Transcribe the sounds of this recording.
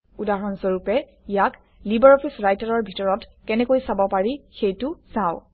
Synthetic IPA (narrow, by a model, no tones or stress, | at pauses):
udaɹɔnsɔɹupɛ | ijak | libɛɹɔfʰisɹajtaɹɔɹbʱitɔɹɔtkɛnɛkojsabɔpaɹixejtʊsaʊ